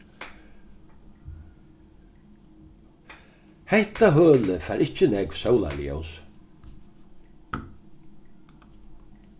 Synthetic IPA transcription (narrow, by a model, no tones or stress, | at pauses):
hɛht̪aɦœːləfaːɾɪht͡ʃənɛkv̥sɔwla̰ljo̰ws